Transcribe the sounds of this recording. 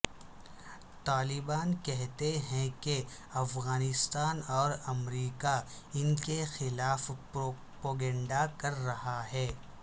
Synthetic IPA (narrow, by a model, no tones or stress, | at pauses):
t̪aːlɪbaːnkɛɦt̪eɦɛ̃ke | ɐfɣaːnɪst̪aːnɔːɾɐmɾiːka | ɪnkexɪlaːf | poːɡɛ̃ːɳɖakɐɾːɐhaɦɛː